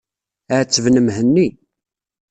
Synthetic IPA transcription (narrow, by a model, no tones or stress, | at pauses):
ət͡sːəvnəmhənːi